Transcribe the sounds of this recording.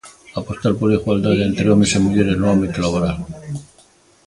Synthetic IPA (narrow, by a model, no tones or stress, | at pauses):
apo̞st̪alpoɾiɣwald̪aðeent̪ɾeomesemuʎeɾeznoambit̪olaβoɾal